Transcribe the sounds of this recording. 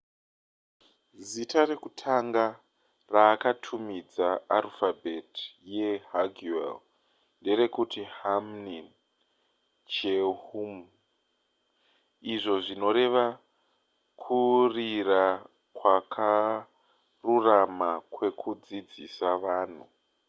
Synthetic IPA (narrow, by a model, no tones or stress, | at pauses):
zitʰare̞kutʰaŋɡa | raːkatʰumid͡zaalfabʱetje̞haɡuḛl | nde̞ɾe̞kutihamnin | t͡ʃehum | iʐo̞ʐino̞ɾe̞ʋa | kʰurira | kwakʰa | ruramakwe̞kʰud͡zid͡zisaʋaːn̤u